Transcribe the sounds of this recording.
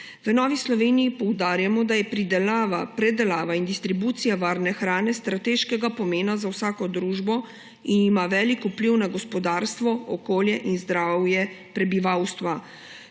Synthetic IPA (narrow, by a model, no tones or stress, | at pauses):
ʋənɔːʋislɔʋeːnijipɔwd̪aːɾjamɔd̪ajɛpɾid̪ɛlaʋapɾɛd̪ɛlaːʋaind̪ist̪ɾibuːt̪sijaʋaːɾnɛxɾaːnɛst̪ɾat̪eːʃkɛɡapɔmeːnazawsaːkɔd̪ɾuːʒbɔ | inimaʋɛːlikupliwnaɡɔspɔd̪aːɾst̪ʋɔɔkoːljɛʔinzd̪ɾaːwjɛ | pɾɛbiʋawst̪ʋa